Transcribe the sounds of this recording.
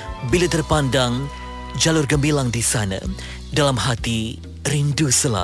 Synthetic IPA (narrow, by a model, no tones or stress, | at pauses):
bilat̪ərpandaŋ | d͡ʒalʊrɡəmbilaŋdisanə̰ | dalamhat̪i | rindusəla̰